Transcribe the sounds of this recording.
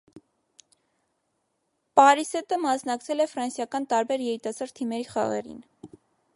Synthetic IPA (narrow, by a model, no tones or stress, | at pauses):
pɑɾisɛt̪əmɑsnɑkt͡sʰɛlɛfɾɑnsjɑkɑnt̪ɑɾbɛɾjɛɾit̪ɑsɑɾt̪ʰːimɛɾiχɑ̰ʁɛ̰ɾḭn